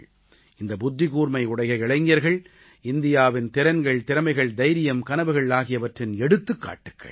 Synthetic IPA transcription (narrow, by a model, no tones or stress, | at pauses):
ɪnd̪ɐbʊd̪ːɪɣuːɾmɐɪʊɽɐjɐɪɭɐɪŋɡjɐɾɣɐɭ | ɪnd̪ɪjaːʋɪnt̪ɪɾɐnɡɐɭt̪ɪɾɐmɐɪɣɐɭd̪ɐɪɾɪjɐmkɐnɐʋɯɣɐɭaːɣɪjɐʋɐʈrɪnɛɽɯt̪ːɯkːa̰ːʈːɯkːɐ̰ɭ